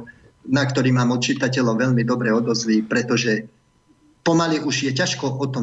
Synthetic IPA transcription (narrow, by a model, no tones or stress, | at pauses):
nak̚t̪ɔɾiːmaːmɔt̪̚t͡ʃit̪acɛʎɔʊʋɛʎmid̪ɔbɾɛɔd̪ɔzliːpɾɛt̪ɔʒɛ | pɔmaliʔuʒjɛcaʃkɔʔɔt̪ɔ